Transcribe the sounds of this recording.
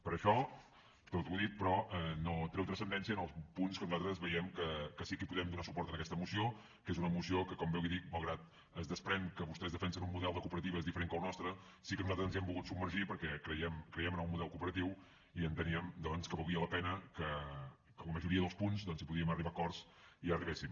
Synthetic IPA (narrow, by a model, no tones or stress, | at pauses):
pəɾəʃɔ | t̪ot̪uðit̪̚pɾɔɛnot̪ɾɛwt̪ɾəsənd̪ɛnsiənəlˠspunskənuzalt̪ɾəzβəjɛmkəkəsikipuðɛmd̪unasupɔɾt̪ənəkɛst̪əmusio | kezunəːmusiokəkɔmbɛwiðik̚malˠɣɾat̪̚ | əzðəspɾɛŋkəβust̪ɛzðəfɛnsənummuðɛlˠd̪əkupəɾət̪iβəezðifəɾeŋkəlˠnɔst̪ɾə | sikənuzat̪ɾəzənzɛmbulɣut̪subməɾʒipəɾkɛkɾəjɛmkɾəjɛmənulmuðɛlˠkupəɾət̪iw | iənt̪əniəmd̪ɔnskəβəlˠiələpɛnəkə | ələməʒuɾiəðəlˠspunzd̪ɔnzipuðiəməriβakɔrz | iəriβesim